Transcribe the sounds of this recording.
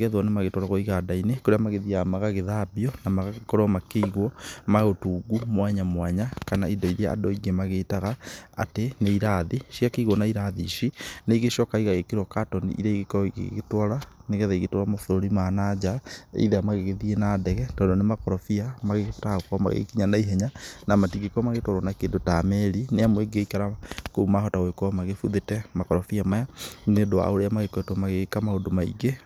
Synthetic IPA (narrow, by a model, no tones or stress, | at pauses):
ɣɛðwɔnemaɣetwɔɾaɣɔiɣadainekoɾeamaɣeðiamaɣaɣeðabiɔnamaɣakoɾɔmakeiɣwɔmaotuːɡumwaɲamwaɲakanaidɔiɾea̰doiɣemaɣeːtaɣaa̰teneiɾaðiʃiakeiɣwɔnaiɾaðḭʃineiɣeʃɔkaiɣaɣekiɾwɔkatɔnḭḭɾeiɣekɔiɣḛɣetwaɾaneɣɛðaiɣetwɔɾamaθoɾoɾimanad͡ʑaḛiðɛamaɣeɣeðienadɛɣɛtɔːndonemakɔɾɔfiamaɣetaaɣokama̰ɣḛkiɲanaiɦɛɲanamatiɣekɔmaɣetwaɾwanakeːndotamɛɾineamweɡeikaɾakoumaɦɔtaoekɔmaɣefuðetɛmakɔɾɔfiamajanedoa̰oɾeamaɣekwɛtwɔmaɣeɣekamaondomaḭɡe